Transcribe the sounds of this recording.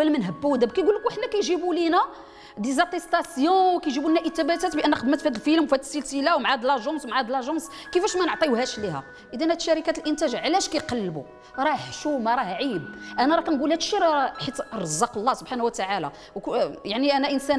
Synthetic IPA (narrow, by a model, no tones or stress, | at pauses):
wælmənɦəbːæwd̪æb̚kæjɡulːəkuʔəħnækæjʒibulinæ | d̪izæt̪ˤest̪ˤɑsjõwkæjʒibulinæʔət̪ːæbæt̪æt̪bʔənːæqəd̪mæt̪fæd̪əlfilmwfæt̪əsəlt̪ilæwmʕad̪lɑʒɑ̃swmʕad̪lɑʒɑ̃ns | kəfæʃmænəʕt̪ˤiwhæʃliɦæ̰ | ʔəd̪ænhæt̪ʃæɾikæt̪əlʔənt̪æʒʕlæʃkæjqɑlːbu | ɾˤɑħʃumæɾˤɑhʕibʔænæɾˤɑkænɡulæt̪ʃiɾħit̪ɾˤəzˤːɑqəlˤːɑsobħanwt̪aʕalæ̰ | wkjaʕniʔænæʔənsæn